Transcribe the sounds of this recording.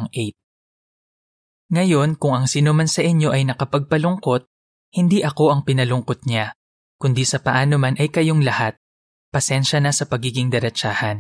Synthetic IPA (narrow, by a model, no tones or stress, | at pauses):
ŋʔejt̪̚ | ŋɐjo̞nkʊŋɐŋsiːnomɐnsɐʔɪɲjo̞ʔɐjnɐkɐpɐɡ̚pɐlʊŋko̞t̪̚ | hɪnd̪iʔɐko̞ʔɐŋpɪnɐlʊŋkot̪̚ɲa | kʊnd̪isɐpɐʔaːnomanʔɐjkɐjo̞ŋlɐhat̪̚ | pɐsɛnʃɐnɐsɐpɐɡiːɡɪŋd̪ɐɾɐt͡ʃaːhɐn